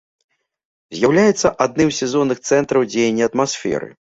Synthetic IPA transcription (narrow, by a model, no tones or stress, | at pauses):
zʲjawlʲajɛt̪sːɐʔad̪̚nɨmsʲɛzɔnːɨxt̪sɛnt̪ɾɐwd͡zʲejɛnʲːiɐt̪masʲfʲɛ̰ɾɨ̰